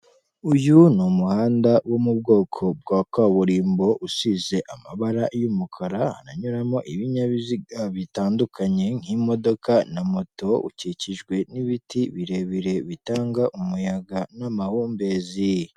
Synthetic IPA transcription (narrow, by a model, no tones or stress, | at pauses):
ujunumuhaːndawʔo̞mub̚ɡo̞ːkʰo̞b̚ɡwaːkwaːβuɾiːmbo̞ʔusize̞ʔamaβaɾajumukʰaɾaha̰naɲuɾamo̞ʔiβiɲaβiziɡaβitaːndukʰaɲe̞ŋ̥himo̞do̞kanamo̞to̞ṵciciʒɡwe̞niβitiβiɾe̞βiɾe̞βitaːŋɡaʔumujaɡanamahuːmbe̞ːzi